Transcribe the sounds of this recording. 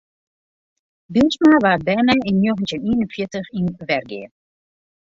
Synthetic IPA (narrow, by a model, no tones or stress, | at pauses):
bilsmanəʋaːt̚bɛjmɛjɪnjoɣəntjəniːnənfjɪtəxinʋɛrɡɪ̰ː